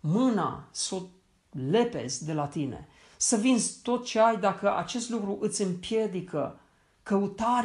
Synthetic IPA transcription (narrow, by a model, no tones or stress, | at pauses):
mɨna̰sut̪ | le̞pe̞̰zʲd̪e̞lat̪ine̞̰ | səvinzʲt̪o̞t̪̚t͡ʃe̞ajd̪akəʔa̰t͡ʃe̞st̪lukɾuʔɨt̪sʲɨmpje̞d̪ikə | kəut̪aɾ